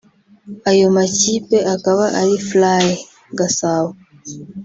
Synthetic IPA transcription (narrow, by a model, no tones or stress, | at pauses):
ajomat͡ʃipɛʔakawaʔaliflajɛ | ɡasawɔ